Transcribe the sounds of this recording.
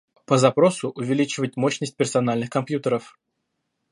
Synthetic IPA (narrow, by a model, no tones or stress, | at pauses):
pəzɐpɾosʊʔʊvʲɪlʲit͡ɕɪvət̚ʲmoɕnəsʲt̚ʲpʲɪrsɐnalʲnɨxkɐmpjut̪əɾəf